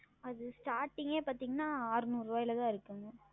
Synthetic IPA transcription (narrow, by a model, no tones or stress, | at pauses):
ɐðɯsʈaːɾʈːɪŋɡeːpaːɾt̪iːŋɡɐnaːaːɾɯnuːɾʋaːjɪlɐt̪ãːɪɾɯkːɯŋɡɐ